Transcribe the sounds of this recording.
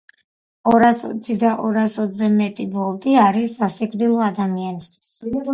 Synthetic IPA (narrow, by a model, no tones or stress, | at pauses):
ɔɾasɔ̰t̪sʰid̪aʔɔɾasɔt̪ʰzɛmɛt̪ʼibɔlˠd̪iaɾisːasikʼvd̪ilˠɔad̪amianist̪ʰwi̥s